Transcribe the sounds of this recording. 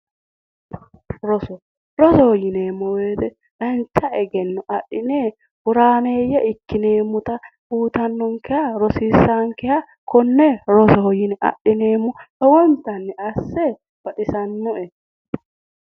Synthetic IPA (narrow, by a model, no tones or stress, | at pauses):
ɾɔsɔ | ɾɔsɔhɔjɪneːmːɔweːd̪ɛ | ᶑɐnt͡ʃːɐʔɛɡɛnːɔʔɐɗːɪneː | hʊɾaːneːjɐʔɪkːɪneːmːʊt̪ɐbuːt̪ɐnːɔŋkɛjɐɾɔsiːsaŋkɛja | kɔnːɛɾɔsɔhɔjɪnɛʔɐ̰ɗːɪneːmːɔʔɛwɔnt̪ɐnːɛɐsːɛ | b̥ɐᶑɪsɐnːɔɛ